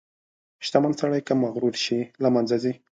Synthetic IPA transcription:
ʃt̪amansaɽajkamaɣɾulʃilamanzazi

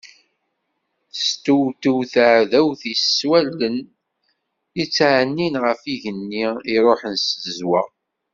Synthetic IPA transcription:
θst̪uwt̪uwθəʕðæwθisːwælːən | it͡sːʕnːinʁəfiʝənːiiɾˤoħənsəzwæ

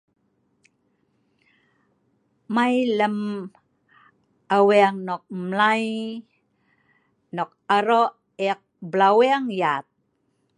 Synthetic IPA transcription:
majləm | awiaŋnok̚mlaj | nok̚aɾo | ek̚blawiaŋjat̪̚

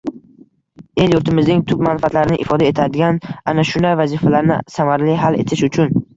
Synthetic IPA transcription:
e̞ljʊɾt̪ʰɪmɪznɪŋt̪ʰʊb̚manfat̪laɾɪnɪʔɪfɒd̪ae̞t̪ʰad̪ɪɡʲananaʃʊnd̪ajvazifalaɾnɪ̰samaɾlɪɦale̞̰t̪ʰɪʃʊt͡ʃʰʊn

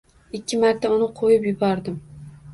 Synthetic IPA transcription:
ɪkʲʰːɪmaɾt̪ʰaʊnɪqʰojɪpjɪbɒɾd̪ɪm

